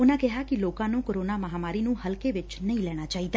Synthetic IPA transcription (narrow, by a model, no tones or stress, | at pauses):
ʊnãːkɪɦaːkɪloːkãːnũːkoɾoːnaːməɦaːmaːɾiːnũːhəlkeːʋɪt͡ʃnəĩːlɛːɽ̃aːt͡ʃaːiːd̪aː